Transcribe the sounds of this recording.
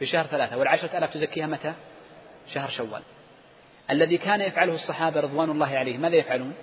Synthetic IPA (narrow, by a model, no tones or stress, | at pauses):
fiʃahɾˤθalaːθawɪlʕaʃɾˤɑʔaːlaːft̪ʊzakːiːhamat̪a | ʃahɾˤʃawːa̰ːl | ʔalːaðikaːnajafʕalʊhʊsˤːɑħɑːbaɾɨðˤwaːnɑlˤːɑːɦɪʕalajːhmaːðajafʕaluːn